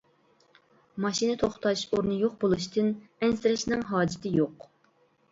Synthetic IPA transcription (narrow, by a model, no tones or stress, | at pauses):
mɑʃinɨt̪ʰoχt̪ʰɑʃoɾnɨjoχbolˠuʃt̪ɨnɛnsɪɾɪʃnɪŋɦɑːd͡ʒɪt̪ʰɪjoq